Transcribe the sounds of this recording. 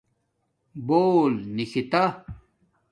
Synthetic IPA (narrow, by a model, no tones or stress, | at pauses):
boːlnixʰit̪a